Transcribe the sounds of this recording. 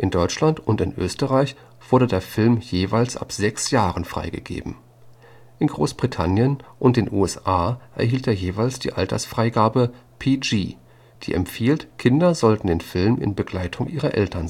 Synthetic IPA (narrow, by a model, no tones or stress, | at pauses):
ʔɪndɔʏt͡ʃlantʊntɪnʔø̰ːstəʁaɪç | v̥ʊɐɾədeːɐfɪlmjeːvaɪlsʔa̰pz̥ɛksjaːʁənfʁ̥a̰ɪɡə̰ɡḛːbm̩ | ʔɪnɡʁoːsb̥ʁitʰanjənʔʊnt̚d̥eːnʔṵːɛsʔaːʔɛ̰ɐhiːlteːɐjeːvaɪlsd̥ḭːʔaltʰɐ̰sfʁ̥aɪɡaːbəpʰid͡ʒiː | d̥ḭːʔɛ̰mpfiːltkʰɪndɐzɔltn̩deːnfɪlmɪ̰nbəɡlaɪtʰʊŋʔiːʁɐʔɛ̰ltʰɐnz